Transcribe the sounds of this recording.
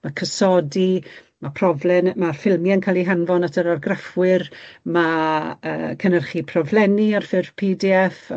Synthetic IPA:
makʰəsɔdi | mapʰrɔvlɛnmarfɪlˠmjankʰalˠiɦanvɔnatʰəɾarɡrafwɪrmaə̰ːkʰənərχipʰrɔvlˠɛniarfɪrv̥pʰiːdiɛf

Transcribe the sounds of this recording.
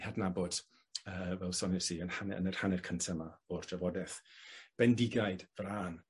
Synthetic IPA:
hadnabɔd̥ | əːvɛlˠsɔnɛsiənhanɛə̰nərhanɛrkʰəntʰamḁordavɔdɛθb̥ɛndɪɡajd̥vraːn

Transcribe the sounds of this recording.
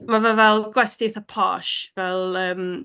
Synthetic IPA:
mavɛvɛlˠɡwɛstɪθəpʰɔ̰ʃvɛlˠəːm

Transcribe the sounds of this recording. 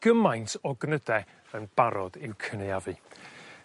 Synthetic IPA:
ɡ̥əmajntʰɔɡnədɛ | ənb̥aɾɔdɪwkʰənɨavɨ

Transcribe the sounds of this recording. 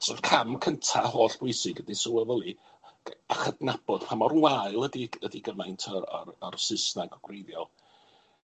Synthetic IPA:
sɔrvkʰamkʰəntʰahoːɬb̥ʊɨsɪɡədasʊwəvəlˠi | aχədnab̥ɔd̥pʰamɔrnwaɨlˠədiədiɡəmajntʰəɾa̰rərsɪsnaɡɔɡ̥rejðjɔlˠ

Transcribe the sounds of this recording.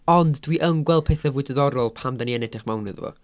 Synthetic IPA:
ɔndːwiʔəŋɡwɛl̚ˠpʰeːθavʊɨdəðɔɾɔlˠpʰamdaniɛnɛdɪχmawnɨðvɔ̰

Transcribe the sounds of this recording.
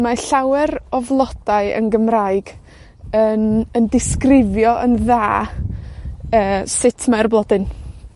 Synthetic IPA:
maɬawɛɾɔvlˠɔd̥aɨə̰nɡəmraɨɡ̥ | ənəndɪskrɪvjɔʔənðaː | əːsɪtʰmarblˠɔdɨn

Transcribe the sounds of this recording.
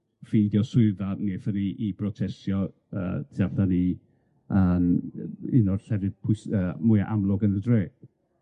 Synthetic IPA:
fijdjɔswɪɨðaneːθəniʔibrɔtʰɛsjɔ | ə̰ːtʰiavdani | ʔəːmɪnɔr̥ɬɛvɨdpʰʊjsəːmʊjaʔamlˠɔɡənədreːd̥

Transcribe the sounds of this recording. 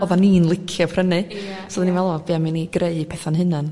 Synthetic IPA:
ɔðaniːnlˠɪkʰjɔpʰrənɨsɔðninvɛlˠɔbiamɪniɡɾʔeɨpʰɛθanɦɨnɨn

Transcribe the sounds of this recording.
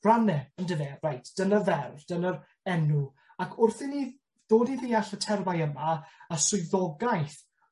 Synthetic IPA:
ranɛəndəvɛrajtʰd̥ənəvɛrvd̥ənəɾ | ɛnu | akʰʊrθɪni | ð̥oːdiðiaɬətʰɛrvajəmaəsʊɨðɔɡajθ

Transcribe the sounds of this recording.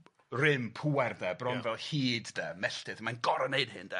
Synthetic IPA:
rɪmpʰuɛrdɛbrɔnvɛlˠhiːddəmɛɬtɨθmanɡɔɾəneɨd̥hɨndə

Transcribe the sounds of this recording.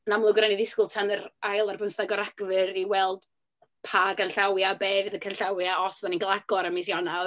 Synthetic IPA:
namlˠʊɡɾaniðɪskʊlˠtʰanəɾajlˠarbəmθaɡɔɾaɡ̥vɨɾiwɛlˠd̥ | pʰaɡənɬawjabeːvɨðəkʰənɬawjaɔsðaniɡəlˠaɡɔɾəmisjɔna

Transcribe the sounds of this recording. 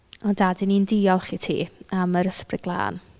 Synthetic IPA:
ɔndadɪnindiːɔlˠχitʰḭːaməɾəsprɪɡ̥lˠa̰ːn

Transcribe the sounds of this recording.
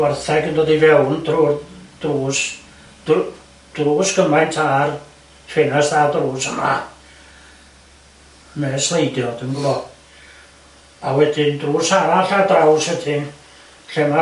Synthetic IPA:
warθɛɡəndoːdivɛwndruːrd̥ruːs | d̥ | d̥ruːsɡ̥əmajntʰaːr | fenasθaːdruːsəma̰ | mɛːslˠejdjɔdəmɡlɔ | awɛdɪndruːsaɾaɬadrawsɛtʰɪn | ɬɛma

